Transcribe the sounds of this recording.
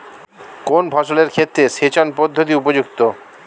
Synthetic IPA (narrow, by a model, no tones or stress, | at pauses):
konbʱɔʃoleɾkʰet̪ːɾeʃet͡ɕonpɔd̪ʱːot̪̬iupod͡ʑukt̪o